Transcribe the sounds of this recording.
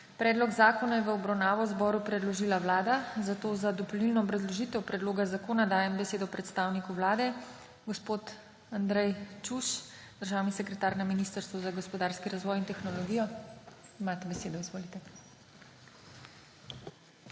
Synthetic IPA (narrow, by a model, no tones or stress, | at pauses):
pɾɛːd̪lɔɡzaːkɔnajɛʋəɔbɾawnaːʋɔwzbɔːɾupɾɛd̪lɔʒiːlaʋlaːd̪azat̪oːzad̪ɔpɔlilnɔbɾɛzlɔʒit̪ɛwpɾɛd̪loːɡazakoːnad̪aːjɛmbɛseːd̪ɔpɾɛt̪st̪aːwnikuwlaːd̪ɛ | ɡɔspoːt̪ | and̪ɾɛjt͡ʃuʃ | d̪̥əɾʒaːwnisɛkɾɛt̪aːɾnaminist̪əɾst̪ʋɔzaɡɔspɔd̪aːɾskiɾazʋɔjint̪ɛxnɔlɔɡijɔ | imaːt̪ɛbɛseːd̪ɔizʋoːlit̪ɛ